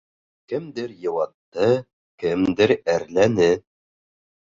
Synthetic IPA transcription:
kɘ̆md̪ɘɾjɤ̆wɑt̪ːɤ | kɘmd̪ɘɾæɾlænɘ

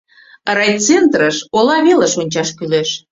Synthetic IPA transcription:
rɑjt͡sent̪rəʃolɑβeleʃonʲt͡ɕɑʃkyleʃ

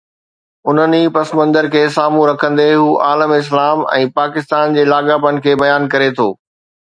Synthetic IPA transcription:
ʊn̤ənipɐsmə̃nd̪əɾkʰeːsaːmũɾɐkʰə̃nd̪eɦuːʔaːləmɪs̬laːmɛ̰̃ːpaːkɪst̪aːnd͡ʑeːlaːɠapənɪ̆kʰeːbɐjaːnkɐɾet̪ʰoː

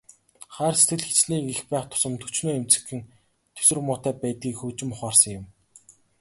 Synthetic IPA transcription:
χæːrset̪ɘ̆ɮxe̥t͡ɕniːkixpæːχt̪ʰʊ̥sə̆mt̪ʰɵt͡ɕnoːem̥t͡sɘ̥̆xɘ̆n | t̪ʰɵ̥sɵ̆rmʊːt̪æːpæːt̪̚ɡiːkxɵːt͡ɕɪ̆mʊχaːrsə̆ŋjʊ̆m

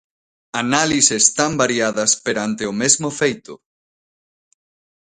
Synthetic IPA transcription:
analisest̪ambaɾiaðɐspeɾant̪eomezmofejt̪ʊ̰

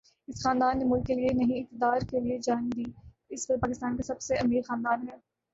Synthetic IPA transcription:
ɪsxaːnd̪aːnːemʊlkːelienɐɦĩɪk̚t̪ɪd̪aːɾkelied͡ʒaːɪnd̪iː | ɪsʋɐpaːkɪst̪aːnkasɐbseɐmiːɾxaːnd̪aːnɦɛː

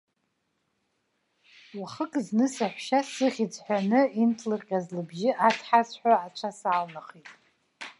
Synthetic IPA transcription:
waχəkʼznɨsaħʷʃasɨʁʲid͡zʼħʷᶣanɨintʰlɨrqʲʼazlɨbʒɪʔat͡sʰħasʷʰħʷᶣaat͡ʃʷʰasaːlnaχitʼ

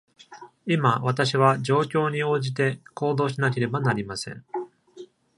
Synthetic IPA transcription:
imaβat̪aɕ̬iβ̞ad͡ʑo̞ːkʲo̞ːɲ̟io̞ːʑit̪e̞ko̞ːd̪o̞ːɕinak̬e̞ɾe̞banaɾʲimasẽ̞̰ɴ

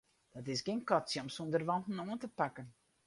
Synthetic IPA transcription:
d̥ɔtɪsɡenkɔtsjɔmsundərʋɔntn̩oəntəpakən

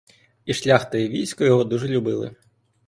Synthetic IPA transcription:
iʃlʲaxt̪ɐjiʋʲijsʲkɔjɔɦɔd̪uʒɛlʲʊbɪ̰lˠɪ̰

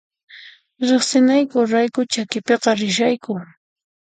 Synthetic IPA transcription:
ɾeχsɪnajkʊɾajkʊt͡ʃakɪpeqɑɾɪʃ̬ajkʊ

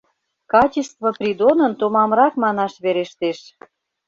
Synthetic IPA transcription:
kɑt͡ɕest̪voprʲid̪onə̆nt̪omɑmɾɑkmɑnɑʃβeɾeʃt̪eʃ

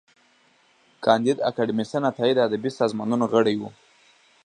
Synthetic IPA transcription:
kʰɑnd̪id̪a̰kaɖɪmisanat̪ɑid̪ad̪abisɑzmɑnunoɣəɽajwu

